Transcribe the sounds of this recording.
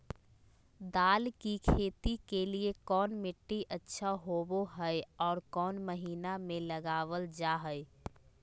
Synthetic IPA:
d̪aːlkikʰeːt̪ikeliekɔːnmɪʈːiʔətːʃʰaɦoːboɦɛeɔːɾkɔːnməɦiːnamẽlɐɡaːʋəld͡ʒaːɦɛe

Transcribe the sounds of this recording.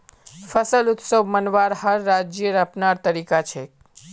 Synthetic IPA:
fəsəlʊt̪səʋmənʋaɾhəɾːad͡ʒjəɾəpnaɾt̪əɾikat͡ʃʰe

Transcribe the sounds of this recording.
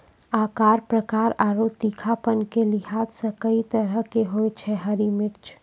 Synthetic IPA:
aːkaːɾpɾəkaːɾaːɾot̪ikʰapənkelɪɦaːt̪sə̃kəit̪əɾəkeɦojt͡ʃʰɛɦəɾimɪɾt͡ʃ

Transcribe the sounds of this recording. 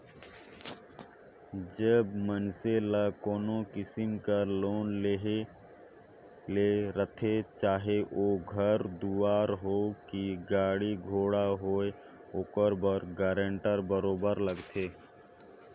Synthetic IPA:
d͡ʒəbmənselakoːnokɪsɪmkəloːnleɦe | leɾət̪ʰet͡ʃaːɦeʔoːɡʱəɾd̪uaːɾɦokiɡaːɽiɡʱoːɽaɦoːe | oːkəɾbəɾɡɛːɾə̃ɳʈəɾbəɾoːbəɾləɡt̪ʰe

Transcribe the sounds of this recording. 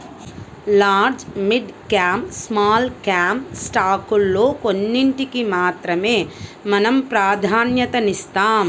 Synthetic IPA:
laːɾd͡ʒmiɖkaːmpsmaːlkaːmpsʈaːkulːoːkonːiɳʈikimaːt̪ɾɐmeːmɐnɐmpɾaːd̪ʱaːnjɐt̪ɐnist̪aːm

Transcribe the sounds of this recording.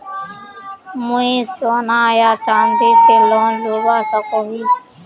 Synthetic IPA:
mʊẽːsoːnaːjaːt͡ʃaːnd̪iːseːloːnloːɡaːsakoːɦiː

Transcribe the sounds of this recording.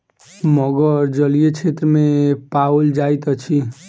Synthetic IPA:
mʌɡʌɾd͡ʒʌlijet͡ʃʰet̪ɾəmepauld͡ʒajt̪ʌt͡ʃʰi

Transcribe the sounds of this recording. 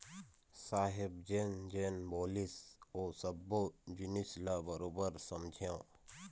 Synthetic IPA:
saːɦɪbd͡ʒend͡ʒenboːlisoːsəbːod͡ʒunislabəɾoːbəɾsɐmd͡ʒʱjãː

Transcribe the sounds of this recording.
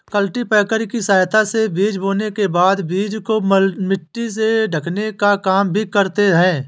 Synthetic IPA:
kəlʈipɛːkəɾkisaːjt̪ʰasebiːd͡ʒboːnekebaːd̪biːd͡ʒkomɪʈːis̬eɖʱəkʰnekakaːmbʱikəɾt̪eɦɛ̃ː

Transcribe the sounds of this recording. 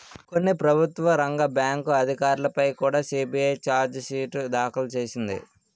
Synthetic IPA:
ko̞nːipɾɐbʱut̪ʋɐɾɐŋɡɐbjaːŋkuɐd̪ʱikaːɾulɐpɐjkuːɽaːsiːbijɐjt͡ʃaːɾd͡ʒsiːʈd̪aːkɐlɐt͡ʃeːsind̪ḭ

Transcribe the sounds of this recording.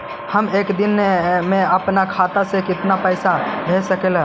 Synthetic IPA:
həmekd̪inmeəpnakʰat̪asẽkɪt̪napəɪsabʱesəkelɦɛ

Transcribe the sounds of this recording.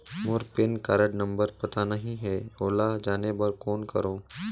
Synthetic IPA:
mʊɾpɪnkaːɾəɖnɐ̃mbəɾpɐt̪anɐɦĩɦɛːoːlad͡ʒaːnebɐɾkɔːnkɐɾoː

